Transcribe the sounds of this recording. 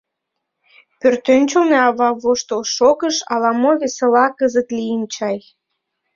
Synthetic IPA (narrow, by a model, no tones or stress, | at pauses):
pørt̪ønt͡ɕolneɑβɑβoʃt̪olʃokəʃɑlɑmoβeselɑkəzət̪lijənt͡ɕɑj